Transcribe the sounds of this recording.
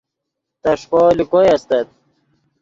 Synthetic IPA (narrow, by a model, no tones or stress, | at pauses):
t̪ɐʂkɔːlikojɐst̪ɐt̪̚